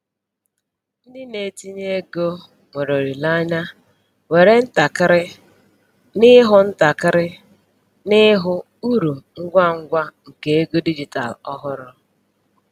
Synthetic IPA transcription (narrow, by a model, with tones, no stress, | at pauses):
n̩˦dɪ˦ne˨ti˦ɲe˦ɡo˦ | ŋʷo˨ɾo˨ɾi˨la˦ɲa˦ | we˨ɾe˦n̩˦ta˨kɾɪ˦ | nɪ˦ɦʊ˦n̩˦ta˨kɾɪ˦ | nɪ˦ɦʊ˦ | u˦ɾu˨ŋ̩˦ɡʷa˦ŋ̩˦ɡʷa˦ŋ̩˨ke˦e˦ɡo˦di˦d͡ʒi˨ta̰˨lɔ˦ɦʊ˦ɾʊ˦